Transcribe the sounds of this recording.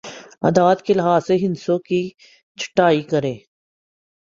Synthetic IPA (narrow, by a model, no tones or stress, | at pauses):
ɐ̰d̪aːt̪kelɪɦaːseɦɪnsõki | t͡ʃʰə̥ʈːaːikɐɾẽː